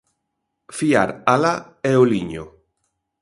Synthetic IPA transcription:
fiaɾala | ɛoliɲo̰

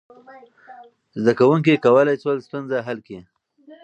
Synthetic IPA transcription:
zd̪akawuŋk̬ekawəlajt͡swəlst̪unzaɦalke

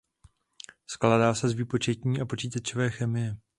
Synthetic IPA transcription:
sklaːdaːsɛzviːpo̞t͡ʃɛcɲiːʔapo̞t͡ʃiːt̪at͡ʃovɛːxɛmɪjɛ

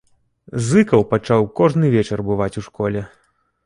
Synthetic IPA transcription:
zɨkɐwpat͡ʂawkɔʐnɨvʲɛt͡ʂɐrbɨvat͡sʲuʂkɔlʲɛ

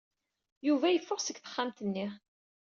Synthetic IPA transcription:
juvæjəfːʊʁsəɡθə̥χːamt̪ənːi

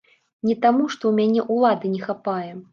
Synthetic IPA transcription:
nʲɛt̪amuʂt̪ɔwmʲanʲɛʔulˠad̪ɨnʲɛxapajɛ

